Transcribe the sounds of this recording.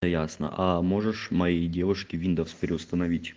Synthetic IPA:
əjasnə̰ʔɐmo̞ʐɨʂmɐjejdʲe̞vʊʂkʲɪvʲind̪əfspʲɪɾʲɪʊst̪ənɐvʲitʲ

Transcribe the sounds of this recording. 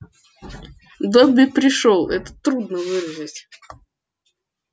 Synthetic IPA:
d̪obʲɪpɾʲɪʂolˠɛt̪ə̥t̪ɾud̪nəvɨrzətʲ

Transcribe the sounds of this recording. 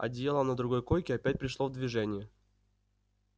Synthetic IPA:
ɐ̰dʲɪjelˠənəd̪ɾʊɡo̞jkojkʲɪɐpʲæt̚ʲpɾʲɪʂlˠovd̪vʲɪʐɛnʲɪjə

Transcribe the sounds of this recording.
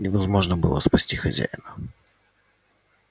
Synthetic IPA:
nʲɪvɐzmo̞ʐnəbɨlˠə̰spɐsʲtʲixɐzʲæ̰jɪnə

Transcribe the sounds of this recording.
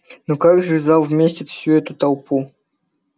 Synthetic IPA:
nokaɡʐɨvʲzalˠvmʲesʲtʲɪt̪fsʲuɛt̪ʊt̪ɐlˠpu

